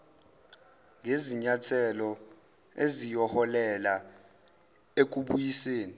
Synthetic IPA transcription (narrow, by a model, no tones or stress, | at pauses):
ŋʱeziɲatʰɛlɔ | ḛzijɔhɔlɛla | ek̬ʼuɓujiseːni